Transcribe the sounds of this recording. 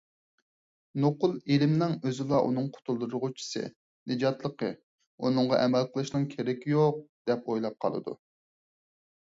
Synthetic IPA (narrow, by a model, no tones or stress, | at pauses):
noqʊlˠelɪmnɪŋøzɪlˠɑʔṵnɨŋqʰʊ̥t̪ʰulˠd̪uɾʁʊt͡ʃʰi̥sɨ̰ | nɨd͡ʒɑt̪lˠəqə | ṵnɨŋʁɑʔɛmɛlˠqəlˠɨʃnɨŋkʲʰeɾɛkʲijoq̚d̪̥ɛpojlˠɑp̚qʰɑ̰lˠɨ̰d̪ṵ